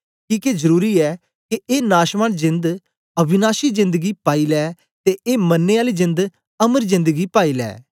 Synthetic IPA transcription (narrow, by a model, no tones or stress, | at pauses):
kiːkezəɾuːɾiːɛː | keʔeːnaːʃmaːnzɪ̃nd̪ | ɐbʱɪnaːʃiːzɪ̃nd̪əɡiːpaːiːlɛː | t̪eːʔeːmənːeaːliːzɪ̃nd̪ | əməɾzɪ̃nd̪əɡiːpaːiːlɛ̰ː